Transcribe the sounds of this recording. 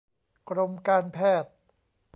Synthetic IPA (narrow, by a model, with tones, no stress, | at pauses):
kʰɾo˧mkaː˧npʰɛː˥˩t̪̚